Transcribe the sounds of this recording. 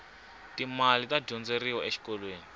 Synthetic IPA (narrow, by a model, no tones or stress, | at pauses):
timalitaɟɔnd͡zeɾiwɔʔeʃi̥kɔlweːni